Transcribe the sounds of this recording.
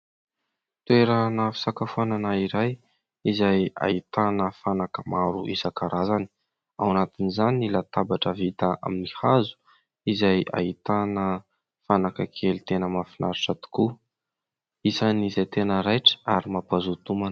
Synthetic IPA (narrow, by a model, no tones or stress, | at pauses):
t̪ueɾanəfi̥sakafuananaiɾaj | izaja̰it̪anəfanakəmaɾuʔizakaɾazani̥ | awanat̪inizaniilat̪abaʈ͡ʂəvit̪aʔa̰minihazu̥ | izaja̰it̪anə | fanakəkʰelit̪enəmafinʔaɾuʈ͡ʂat̪u̥ku | isanizajt̪enəɾajʈ͡ʂə̥aɾimapazut̪uman